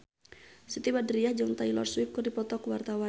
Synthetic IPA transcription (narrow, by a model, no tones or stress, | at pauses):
sit̪ibadɾiahd͡ʒaŋt̪ailɔ̰rswɪp̚kɨrdipɔt̪ɔkwart̪awa